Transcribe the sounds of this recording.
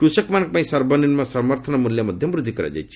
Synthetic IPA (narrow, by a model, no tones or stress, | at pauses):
ʈusʌkmank̚paĩsʌɾbʌninmasʌmʌɾt̪ʰʌnʌmuljʌmʌd̪ʱjʌmɾud̪ʱːikɐɾa̰d͡ʒa̰jt͡ʃʰi̥